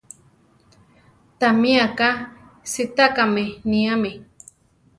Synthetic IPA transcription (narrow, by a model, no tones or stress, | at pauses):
t̪amĩaka | sit̪akamenĩame